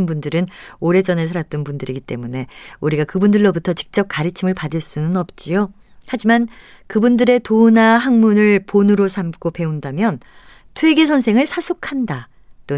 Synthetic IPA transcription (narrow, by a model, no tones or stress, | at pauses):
nbundɯɾɯnoɾe̞d͡ʑʌne̞s̬ʰaɾat̚t͈ʌnpundɯɾiɡit͈e̞mune̞uɾiɡakɯbundɯɭːobutʰʌt͡ɕi̥k̚t͡ɕ͈ʌp̚k͈aɾɯt͡ɕʰimɯɭpadɯɭs͈unɯnʌp̚t͡ɕ͈ijo | had͡ʑiman | kɯbundɯɾe̞tonaɦaŋmunɯɭponɯɾosʰamk͈ope̞undamjʌn | tʰwe̞ɡe̞s̬ʰʌnsʰe̞ŋɯɭsʰasʰokʰanda | t͈o